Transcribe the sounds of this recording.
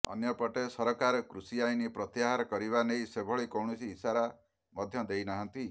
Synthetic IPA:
ɔ̰njɔpɔʈesɔɾɔkaɾɔkɾusiajnipɾɔt̪jaɦaɾɔkɔɾiβanejsebʱɔɭikɔwɳɔsiːsaɾa | mɔd̪ʱjɔd̪ejnaɦɔnt̪i

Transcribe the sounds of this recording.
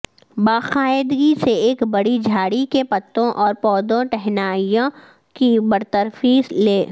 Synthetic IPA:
baːxaːɪd̪ɡiseeːkbɐɽid͡ʒʱaːɽikepɐt̪ːõʔɔːɾpɔːd̪õʈɛɦnaːijõ | kibɐɾt̪əɾfiːsleː

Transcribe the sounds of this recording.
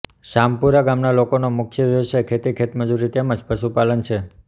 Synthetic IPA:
ʃampuɾaɡamnalokonomʊkʰʃjəʋjəʋəsajkʰet̪ikʰet̪məd͡ʒuɾit̪eməd͡ʒpəʃupalənt͡ʃʰe

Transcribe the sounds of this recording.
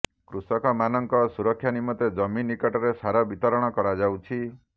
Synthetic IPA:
kɾusɔkɔmanɔŋkɔsuɾɔkʰːjanimɔt̪ed͡ʒɔminːikɔʈɔɾesaɾɔbit̪ɔɾɔɽ̃ɔkɔɾad͡ʒawt͡ʃʰi

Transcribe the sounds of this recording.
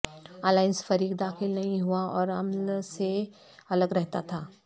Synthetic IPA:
aːlaːɪnsfɐɾiːkd̪aːxɪlnɐɦĩɦuaɔːɾɐmlse | ɐləɡɾɛɦt̪at̪ʰaː

